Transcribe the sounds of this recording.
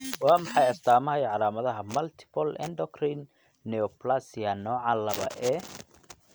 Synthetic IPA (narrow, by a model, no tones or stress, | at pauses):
wɑːmɑħɑjɐst̪ʰaːmɐɦɐjʕɑlaːmɐðɐɦɐmɐlt̪ʰɪ̥pʰɔlɛ̰ndɔkrinː | ɛɔplasɪjɐnɔːʕɑlɐβɐ̰ʔɛː